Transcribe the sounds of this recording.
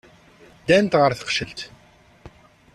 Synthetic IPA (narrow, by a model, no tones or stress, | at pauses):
d̪ænt̪ʁəɾθə̥qʃəlt̪